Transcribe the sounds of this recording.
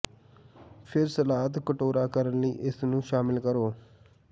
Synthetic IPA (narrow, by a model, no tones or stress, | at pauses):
pʰɪɾsəlaːt̪kəʈoːɾaːkəɾənləiːʔɪsnũːʃaːmɪlkəɾoː